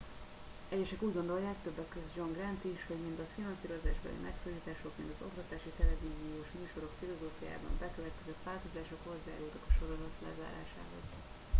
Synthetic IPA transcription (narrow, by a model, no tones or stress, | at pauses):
ɛɟːɛʃɛkuːɟɡo̞nd̪o̞ljaːkt̪øbːɛkːøzd͡ʒo̞ŋɡrant̪iʃho̞ɟmind̪ɒfinɒnsiːɾo̞zaːʒbɛ̰lḭmʔɛksoːliːt̪aːʃo̞kmind̪ɒzo̞̰kt̪ɒt̪aːʃit̪ɛlɛviːzijoːʃmyːʃo̞ɾo̞kfilo̞zoːfuja̰ːbɒ̰ɱbɛkøvɛt̪kɛzɛt̪vaːlt̪o̞zaːʃo̞kho̞zːaːaːloːt̪ɒkɒʃo̞ɾo̞zɒt̪lɛ̰za̰ːɾa̰ːʃa̰ːɦo̞̰z̥